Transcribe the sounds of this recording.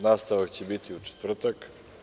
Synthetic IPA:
nast̪avakcɛbit̪iut͡ʃɛ̥t̪vr̩t̪ak

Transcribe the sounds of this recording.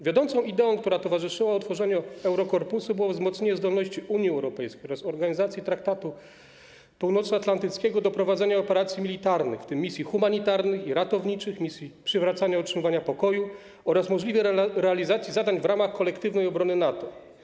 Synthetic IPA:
vʲjɔd̪ɔnt̪sɔ̃w̃id̪ɛɔ̃w̃k̚t̪uɾat̪ɔvaʐɘʂɘwaɔt̪fɔʐɛɲuɛwɾɔkɔɾpusubɘwɔvzmɔt̪sɲeɲɛzd̪ɔlnɔɕt͡ɕiʔuɲjiɛwɾɔpɛjskʲejɔɾasɔɾɡaɲizat̪sʲjit̪ɾakt̪at̪u | puwnɔt̪sat̪lant̪ɘt̪skʲɛɡɔd̪ɔpɾɔvadzɛɲaɔpɛɾat̪sʲjimʲilʲit̪aɾnɘ̰xft̪ɘmːisʲjixumaɲit̪aɾnɘxiɾat̪ɔvɲit͡ʂɘxmʲisʲjipʂɘvɾat̪saɲaɔutʂɘmɨvaɲapɔkɔju | ɔɾasmɔʐlʲivʲjɛɾɛalʲizat̪sʲjizad̪aɲvɾamaxkɔlɛkt̪ɘvnɛjɔbɾɔnɘnat̪ɔ

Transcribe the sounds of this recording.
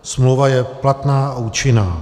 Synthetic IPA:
smlovajɛplat̪naːauːt͡ʃɪnaː

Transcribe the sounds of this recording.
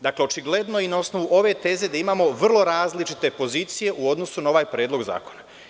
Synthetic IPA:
d̪akle̞o̞t͡ʃiɡle̞d̪noinaosno̞ʋuʔo̞ʋe̞t̪e̞ze̞d̪aimaːmo̞ʋr̩lˠo̞ɾaːzlit͡ʃit̪e̞po̞ziːt̪sije̞ʔuo̞d̪no̞sunao̞ʋaːjpɾe̞ːd̪loɡza̰ːko̞na

